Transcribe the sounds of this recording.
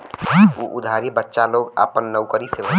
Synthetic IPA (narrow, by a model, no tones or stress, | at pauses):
uʔʊd̪ʱaːɾjebətːʃaloːɡa̰ːpənːəʊkəɾiseʋə